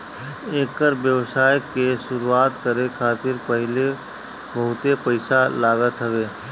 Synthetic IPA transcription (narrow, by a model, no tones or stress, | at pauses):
eːkəɾʋjəʋsaːjkeʃʊɾuaːt̪kəɾekʰaːt̪ɪɾpəɦɪle | bəɦʊt̪epəɪsalaːɡət̪ɦəʋeː